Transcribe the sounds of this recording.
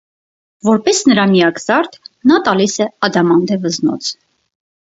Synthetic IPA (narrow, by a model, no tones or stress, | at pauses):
vɔɾpɛsnəɾɑmijɑkʰzɑɾt̪ʰnɑt̪ɑlisɛɑd̪ɑmɑnd̪ɛvəznɔ̰t͡sʰ